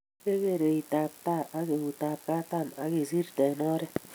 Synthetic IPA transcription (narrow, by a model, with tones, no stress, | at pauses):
e˦ke˦˨ɾe˨i˨ta˨p̚ta˦˨ʔa˦ke˨ku˨ta˨p̚ka˦ta˦˨ma̰˨˦ke˨zi˦ɾtɛ˨nɔ˦ɾɛ˦